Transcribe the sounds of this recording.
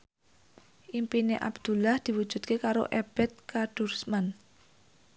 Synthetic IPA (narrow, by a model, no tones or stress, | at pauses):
ʔimpineʔa̰bd̪̥ṳlahd̪̥i̤wu̥ʒ̥ṳt̪̚kekaɾo̰ʔeb̥ɛt̪̚kaɖ̥ursman